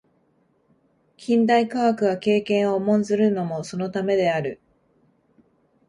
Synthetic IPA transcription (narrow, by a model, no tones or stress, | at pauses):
kʲʰĩnd̪aikaakɯ̟ɡake̞ːkẽ̞ɰ̃o̞mõ̞nzɨɾɯ̟no̞mo̞so̞no̞t̪ame̞d̪e̞aɾɯ̟